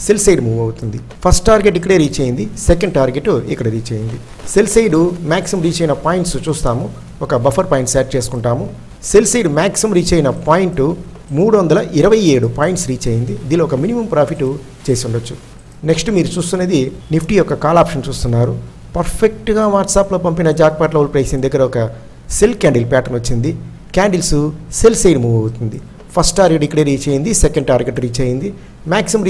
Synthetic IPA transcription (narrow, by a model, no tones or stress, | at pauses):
selsɐjɖmuːʋɐwut̪und̪i | pʰɐsʈʈaːɾɡeʈ̬ikːɐɽeɾiːt͡ʃeːjind̪isekɐɳɖʈaːɾɡeʈːuikːɐɽɐɾiːt͡ʃeːjind̪i | selsɐjɖumaːksimɾiːt͡ʃɐjinɐpaːjiɳʈsut͡ʃuːst̪aːmu | ɔkɐbɐpʰɐɾpɐːjiɳʈseːʈ̚t͡ʃe̞ːsu̥kuɳʈaːmu | selsɐjɖmaːksiɐmɾiːt͡ʃɐjinɐpaːjiɳʈu | muːɽuʋɐnd̪ɐlɐʔiɾɐʋɐjeːɽupaːjiɳʈsɾiːt͡ʃeːjind̪id̪iloːɔkɐminimɐmpɾaːpʰiʈːu | t͡ʃe̞ːsiuɳɖɐt͡ʃːu | neksʈumiːɾut͡ʃuːst̪uneːd̪inipʰʈiːjɔkːɐkaːlaːpʂɐnt͡ʃuːst̪unːaːɾu | pɐɾpʰek̚ʈɡaːʋaːɾʈsaːploːpɐmpinɐd͡ʒaːk̚paːʈlɐʋulpɾɐjsind̪ɐɡːɐɾɐɔkɐ | se̞lkaːɳɖilpaːʈɐnʋot͡ʃːind̪i | kaːɳɖilsuselsejɖmuːʋɐwut̪und̪i | pʰɐsʈaːɾɡeɖikleːɾiːt͡ʃeːjind̪isekɐɳɖʈaːɾɡeʈɾiːt͡ʃeːjind̪i | maːksiɐmɾi